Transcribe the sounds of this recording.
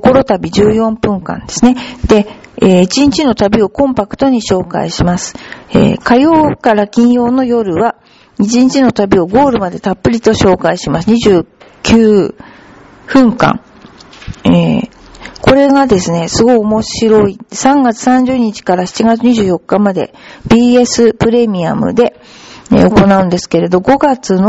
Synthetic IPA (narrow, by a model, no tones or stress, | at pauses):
ko̞ɾo̞t̪abʲiʑɨːjõ̞mpɯ̟̃ŋkã̰nd̪e̞̥sɨne̞d̪̥e̞eːit͡ɕĩɲt͡ɕino̞t̪abʲio̞kõ̞mpakɯ̟̥t̪o̞ɲ̟iɕo̞ːka̰iɕimasɨ̥ḛːkajo̞ːkaɾakʲĩɰ̃jo̞ːno̞jo̞ɾɯ̟βa | it͡ɕĩɲ̟t͡ɕino̞t̪abʲio̞ɡo̞ːɾɯ̟mad̪e̞t̪apːɯ̟ɾʲit̪o̞ɕo̞ːkaiɕimasɨɲ̟iʑɨː | kʲʰɨː | ɸɯ̟̃ŋkã̰ŋ | e | ko̞ɾe̞ɡad̪e̞sɨne̞sɨɡo̞iomo̞ɕiɾo̞isãŋɡat͡sɨ̥sãɲ̟d͡ʑɨːɲ̟it͡ɕi̥kaɾaçi̥t͡ɕiɡat͡sɨɲ̟iʑɨːjo̞kːamad̪e̞̰ | b̥ʲiːe̞sɨpɯ̟ɾe̞mʲia̰mɯ̟̰d̪e̞ | ḛo̞ko̞naɯ̟nd̪e̞sɨ̥ke̞ɾe̞d̪o̞ɡo̞ɡat͡sɨno